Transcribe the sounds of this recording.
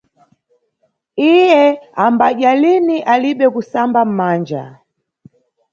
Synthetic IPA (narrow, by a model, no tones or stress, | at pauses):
ijɛambaʄaliniʔaliɓɛkusambam̩maːnd͡ʒa̰